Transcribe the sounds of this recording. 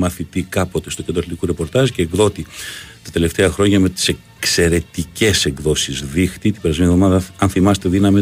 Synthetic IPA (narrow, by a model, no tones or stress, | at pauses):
mɐθit̪ikɐpo̞t̪e̞st̪ocnd̪ɾɐθlit̪i̥kuɾe̞po̞ɾt̪ɐʒce̞ːɡðo̞t̪it̪ɐ̥t̪e̞le̞ft̪e̞ɐxɾo̞ɲɐme̞t̪i̥se̞ | kse̞ɾe̞t̪ice̞se̞ŋɡðo̞sizðixt̪it̪ibeɾɐzmenievðomɐðɐɐnθimɐset̪e̞ðinɐmi